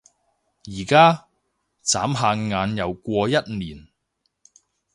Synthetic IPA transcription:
jiː˨˩kaː˥ | t͡saː˨˥mɦaː˧nŋaː˨˧njɐ˨˩wkʷɔː˧jɐ˥t̚niː˨˩n

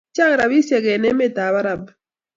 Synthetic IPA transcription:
t͡ʃa˦ŋ˨ɾa˨bi˦se˨ɡe˨ne˦me˦ta˨βa˦ɾa˨b

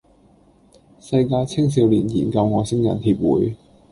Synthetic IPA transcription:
sɐ˧jkaː˧jt͡sʰɪ˥ŋs̬iː˨˧wliː˨˩njiː˨˩nkɐ˧wŋɔː˨˧sɪ˥ŋjɐ̰˨˩nhiː˧p̚wṵː˨˦j

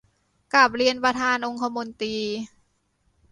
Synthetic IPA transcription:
kla˨˩p̚ɾi˧ənpɾa˧t̪ʰaː˧nʔo˧ŋkʰa˧mo˧nt̪iː˧

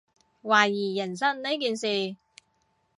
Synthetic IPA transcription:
waː˨˩jiː˨˩jɐ˨˩nsɐ˥nne˨˥jkiː˨nsiː˨

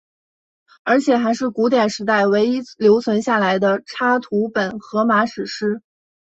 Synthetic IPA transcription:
ə˞˧˥t͡ɕʰjɛ˨˩xa˧˥ɪʂɻ̩˥˩ku˧˥t̪̬jɛ˨˩nʂɻ̩˧˥t̪a˥˩ɪwe˧˥ɪi˥ljo˧˥ʊt͡sʰwə˧˥nɕja˥˩la˧˥ɪd̪ə˧ʈ͡ʂʰa˥t̪ʰu˧˥pə˨˩nxɤ˧˥ma˧˥ʂɻ̩˨˩ʂɻ̩˥

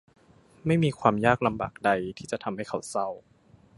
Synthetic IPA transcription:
ma˥˩jmiː˧kʰwaː˧mjaː˥˩k̚la˧mba̰ː˨˩k̚da˧jt̪ʰiː˥˩t͡ɕa˨˩t̪ʰa˧mha˥˩jkʰa˨˩wsa˥˩w

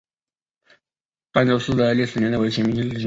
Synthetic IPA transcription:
pa˥nʈ͡ʂo˥ʊʂɹ̩˥˩d̪ə˩li˥˩ʂ̩˥˩njɛ˧˥nd̪ə˧we˧˥ɕʰjɛ˥mʲi˧˥nt͡ɕʰi˥˩ɕ

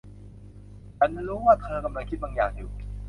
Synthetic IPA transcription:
ʔa˧˩nma˥˧˩ɾuː˦˥waː˥˩t̪ʰɤː˧ka˧mla˧ŋkʰi˦˥t̪̚baː˧ŋjaː˨˩ŋjuː˨˩

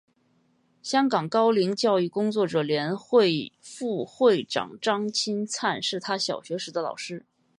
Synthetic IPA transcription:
ɕjɑ˥ŋkɑ˨˩ŋkɑ˥ʊli˧˥ŋt͡ɕjɑ˥˧ʊy˥˩kʊ˥ŋt͡swɔ˥˩ʈ͡ʂɤ˨˩ljɛ˧˥nxwe˥˧ɪfu˥˧xwe˥˩ɪʈ͡ʂɑ̰˨˩ŋʈ͡ʂɑ˥ŋt͡ɕʰi˥nt͡sʰa˥˧nʂɻ̩˥˩t̪ʰa˥ɕjɑ˨˩ʊɕɥɛ˧˥ʂɻ̩˧˥d̪ə˦lɑ̰˨˩ʊʂɻ̩˥

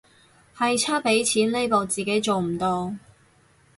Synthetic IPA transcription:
hɐ˨jt͡sʰaː˥pe˨˥jt͡sʰiː˨˥nle˥jpo˨˧wt͡siː˨ke˨˥jt͡so˨wm̩˨˩t̪oː˧

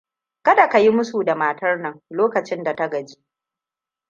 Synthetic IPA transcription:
kɐ˦da˨ka˨ji˦mʊ˦su˨da˨maː˨tɐ˦rnɐ˨ŋloː˦kɐ˨t͡ʃɪ˦nda˨ta˦ɡɐ˨d͡ʒi˦ʔ

